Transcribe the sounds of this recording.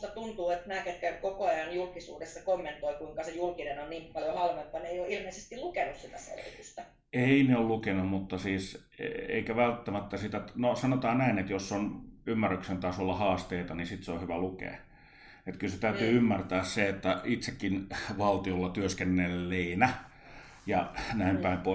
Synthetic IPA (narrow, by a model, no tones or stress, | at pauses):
st̪ɑt̪unt̪uːet̪næːket̪kækokoɑjɑnjulkisṵːdesːɑkomːent̪oikuiŋkɑsejulkinenonniːmpɑljohɑlmet̪ːɑnejoʔilmeisest̪ilukenussit̪æsḛlḭtust̪ɑ | eineollukenumut̪ːɑsiːs | ḛḛikæʋælt̪ːæmæt̪ːæsit̪ænosɑnot̪ɑːnnæinet̪josːonymːærːyksent̪ɑːsolːɑhɑːst̪eit̪ɑnisit̪seohyʋælukḛː | et̪kylset̪æyt̪yːymːært̪æːsseet̪ːæit̪sekːinʋɑlt̪iolːɑt̪yøskenːelːeinæ | jɑnæimpæimpoˑ